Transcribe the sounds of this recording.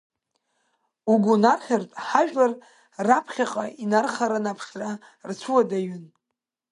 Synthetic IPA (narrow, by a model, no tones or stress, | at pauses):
uɡʷunarχʲartʼħaʒᶣlar | rapʰχʲaqʼainarχaɾanapʰʂra | rt͡sʷʰuwadaɥʏn